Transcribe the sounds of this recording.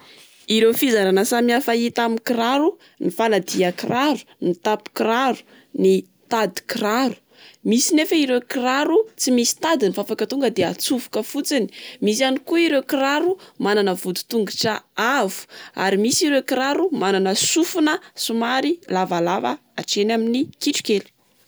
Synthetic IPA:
iɾewfizaɾanəsamiafait̪amikiɾaɾu | nifanad̪iakiraɾu̥nit̪api̥kiraɾu̥ | ni | t̪ad̪i̥kiraɾu̥ | misinefaiɾekiraɾut͡simisi̥t̪ad̪inifafakat̪uŋɡəd̪eat͡sufu̥kəfut͡sini̥misianikuiɾewkiraɾumananəvud̪u̥t̪uŋɡiʈ͡ʂaavu̥a̰ɾimisiɾewkiɾaɾumananəsufunəsumaɾilavalava̰ | aʈ͡ʂenaminikiʈ͡ʂu̥keli̥

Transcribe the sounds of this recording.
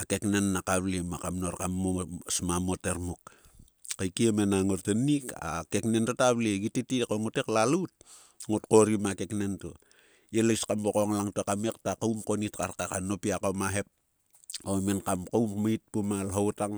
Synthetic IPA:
ake̞knenːakaβlimakamnoɾkamːosmamoteɾmuk | kajkiemenaŋortenika̰keknentotaβliɡititikoŋoteklalut̚ | ŋotkoɾimake̞knento̰ | jelajskambokoŋlaŋtoakamektakawmkonitkarkakanopiakomaɦe̞p̚ | omenkamkawmmait̚pumalɦowtaŋ

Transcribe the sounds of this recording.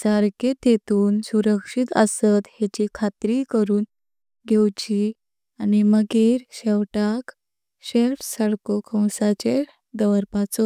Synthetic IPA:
saɾket̪et̪uːnsuɾəkʂit̪əsət̪het͡ɕikʰat̪ɾikəɾuːn | ɡʱewt͡ɕi | animəɡeɾɕɛwʈak | ɕelfsaɽkokʰə̃wsat͡ɕe | ɡ̪əʋəɾpat͡sɔ

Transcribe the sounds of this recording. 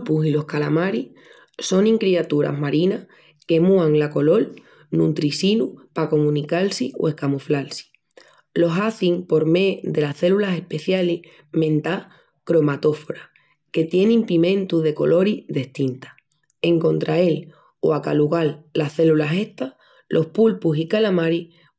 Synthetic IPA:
pusilo̞hkalamaɾi | so̞ŋĩŋkɾiat̪uɾa̰ɦmaɾinah | ke̞muaŋlako̞lo̞l | nunt̪ɾisinupako̞mũnikalsio̰e̞hkamuflalsi̥ | lo̞ɦaθiŋpo̞ɾme̞ðe̞lasθe̞lulase̞hpe̞θjali | mẽ̞nt̪a | kɾo̞mat̪o̞foɾa | ke̞t̪je̞nimpimẽ̞nt̪uðe̞ko̞̰lʔo̞ɾiðe̞ht̪int̪ḁ | e̞ŋkõ̞nt̪ɾʔael | o̰akaluɣalːahθe̞lulase̞ht̪a | lʔo̞hpulpusikalamaɾi

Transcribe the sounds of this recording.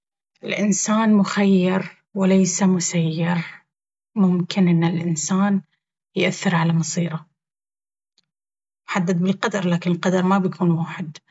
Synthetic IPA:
ʔɪlʔɪnsaːnmʊxajːɑɾ | wɪlajsamʊsajːɑɾ | mʊmkɪnʔɪnːɪlʔɪnsaːn | jʔaθːɪɾʕalamɑsˤiːɾɑ | mħad̪ːad̪bɪlqɑd̪ɑɾˤlaːkɪnɪlqɑd̪ɑɾˤmabjkʰuːnwaːħɪd̪

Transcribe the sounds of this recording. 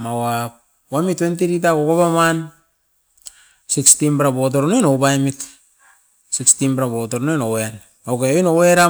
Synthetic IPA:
mawap | wamitːwent̬iɾit̬akokoβaman | sikstimbɾabot̬oɾonojnowbajmit | sikstinbɾabotoɾnojnowean | okeoinoweɾa

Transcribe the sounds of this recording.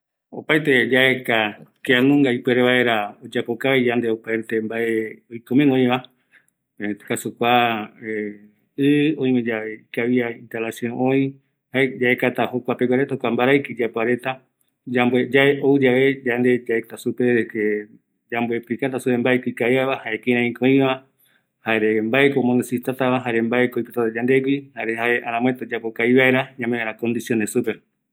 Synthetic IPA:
o̰pajt̪ed͡ʒaekakeanũŋɡaipweɾeβae̞ɾaod͡ʒapokaβed͡ʒand̪eopaet̪embaeojkomẽŋõj̃βa | ekasukʷae | ɨõĩmed͡ʒaβeikaβiaint̪alasiõʔõĩ | haed͡ʒaekat̪ahokʷapeɡʷaɾet̪ahokʷambaɾajkid͡ʒapoaɾe̞t̪a | d͡ʒambed͡ʒaeʔoɨd͡ʒaβe̞d͡ʒand̪e̞d͡ʒaekat̪asupeɾke | d͡ʒambepikat̪asupe̞mbaekʷikajaβahaekĩɾ̃ãĩkõĩβã | haeɾembaekomonesit̪at̪aβaɦaɾembaekoipot̪at̪ad͡ʒand̪eɡihaɾehaeʔaɾãmwẽt̪od͡ʒapokaiβaeɾaɲãmẽaɾãkõnd̪isjonesupe

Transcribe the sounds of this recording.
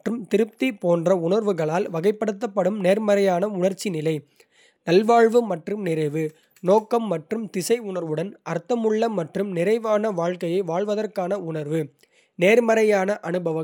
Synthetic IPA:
ʈrɯmt̪ɪɾɯp̚t̪ipoːndrɐʊɳɐɾʋɯɣɐɭaːlʋɐɣɐɪpːɐɽɯt̪ːɐpːɐɽɯmneːɾmɐɾɐjaːnɐʊɳɐɾt͡ʃːinɪlɐɪ | nɐlʋaːɻʋɯmɐʈrɯmnɪɾɐɪʋɯ | noːkːɐmːɐʈrɯmt̪ɪsɐɪʊɳɐɾʋɯɽɐnʔɐɾt̪ːɐmɯɭːɐmːɐʈrɯmnɪɾɐɪʋaːnɐʋaːɻkɐjɐɪʋaːɻʋɐðɐrkaːnɐʊɳɐɾʋɯ | neːɾmɐɾɐjaːnɐʔɐnɯbɐʋɐ

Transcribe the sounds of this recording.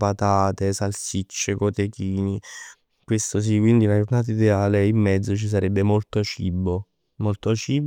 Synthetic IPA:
pat̪aːt̪esalsit͡ʃːekot̪ekiːni | kwest̪os̬ikːwind̪iunad͡ʒornaːt̪aid̪eaːleimːɛd̪zːot͡ʃis̬aɾɛbːemolt̪ot͡ʃibːo | molt̪ot͡ʃiːb

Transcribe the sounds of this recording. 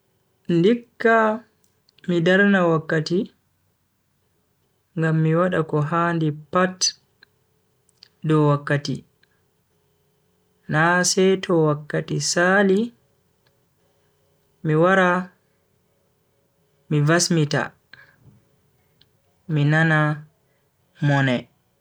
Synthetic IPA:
ndikːa | midaɾnawakːati | ŋɡamːiwaɗakɔɦaːndipat | dɔwakːatḭ | nasɛjtʰɔwakːatisali | miwaɾa | mivasmita̰ | minana | mɔnɛ

